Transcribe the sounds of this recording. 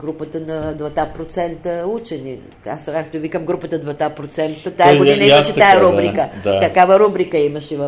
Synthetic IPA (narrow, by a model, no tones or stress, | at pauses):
ɡɾupət̪ənɐd̪vɐt̪apɾot̪sɛnt̪əut͡ʃɛni | a̰skakt̪ovikɐmɡɾupət̪əd̪vɐt̪apɾot̪sɛnt̪ət̪aɛɡoinɐimɐʃɛfajɛɾubɾikəd̪at̪ɐkavɐɾubɾikəimɐʃɛvɐ